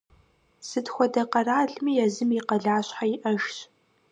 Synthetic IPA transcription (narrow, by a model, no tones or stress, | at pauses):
sɨtxʷɔdɐqɐraːɮmijɛzɨmiqɐɮaːɕħajɪʔɐʒt